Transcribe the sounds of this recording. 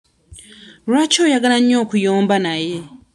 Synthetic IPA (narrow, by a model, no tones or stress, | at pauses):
ɾat͡ʃoːjaɡalaɲo̞ːkujoːmbanaje̞